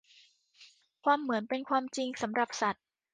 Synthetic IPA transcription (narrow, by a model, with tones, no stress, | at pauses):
kʰwaː˧mːɯ˩˦ənpe˧nkʰwaː˧mt͡ɕi˧ŋsa˩˦mɾa˨˩p̚sa˨˩t̪̚